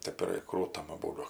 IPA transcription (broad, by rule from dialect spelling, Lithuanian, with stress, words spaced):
ˈtʲeːp ɪr ˈkruːtɐm ɐˈbuːdʊ